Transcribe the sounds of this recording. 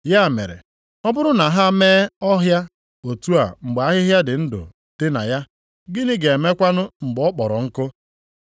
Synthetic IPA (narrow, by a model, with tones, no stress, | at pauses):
ja˦˨mḛ˨ɾḛ˨ | ɔ˦bʊ˦ɾʊ˦na˨ɦa˦meː˦ɔ˦ɦja˦ | o˨tu˦a̰˨ŋ͡m̩˨ɡ͡ba˦ɦɪ˦ɦja˦dɪ˨n̩˦dʊ̰˨ | tɪ˦na̰˨ja˦ | ɡɪ˦nɪ˦ɡe˨e˨me˦kʷa˦nʊ˦ŋ͡m̩˨ɡ͡bɔ˨˦k͡pɔ˨ɾɔ˨ŋ̩˦kʊ˦